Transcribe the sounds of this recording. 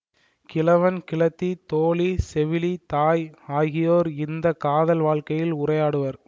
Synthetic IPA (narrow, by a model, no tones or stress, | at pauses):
kɪlɐʋɐnkɪɭɐt̪ːit̪oːɭisɛʋɪlit̪aːjaːɣɪjoːɾɪnd̪ɐkaːðɐlʋaːɭkɐjɪlʊrɐjaːɽɯʋɐɾ